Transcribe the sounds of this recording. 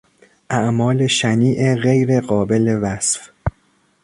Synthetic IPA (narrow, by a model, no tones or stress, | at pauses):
ʔæʔmɒːle̞ʃæniːʔeɣejɾe̞ɢɒːbe̞le̞væsf